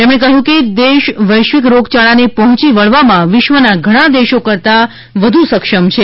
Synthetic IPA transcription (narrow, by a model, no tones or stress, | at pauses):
t̪emɽ̃ekəɦũked̪eʃʋəjʃʋɪk̬ɾoɡt͡ʃaɭanepɔɦɔ̃t͡ʃiʋəɭʋamãʋɪʃʋənaɡʱəɽ̃ãd̪eʃokəɾt̪a | ʋəd̪ʱusəkʃəmt͡ʃʰe